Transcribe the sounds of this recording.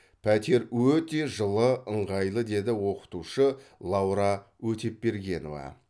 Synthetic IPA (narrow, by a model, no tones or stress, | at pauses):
pʰæt̪e̞ɾwɵt̪e̞ʒəlˠəəɴʁɑjlˠəd̪e̞d̪ɪwo̞qə̥t̪uʃəlˠɑwɾɑ | wɵt̪e̞ppe̞ɾɡʲe̞no̞̰vɑ̰